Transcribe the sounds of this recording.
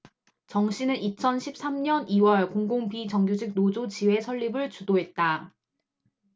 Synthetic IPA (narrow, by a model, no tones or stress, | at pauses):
t͡ɕʌŋɕʰinɯnit͡ɕʰʌnɕʰip̚s͈amɲʌniwʌɭkoŋɡoŋpit͡ɕʌŋɡjod͡ʑik̚nod͡ʑot͡ɕiwe̞sʰʌʎːibɯɭt͡ɕudoɦe̞t̚t͈a